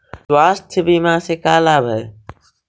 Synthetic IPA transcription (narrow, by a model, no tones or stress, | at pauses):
swaːst̪ʰɪbiːmãːseːkaːlaːbʱə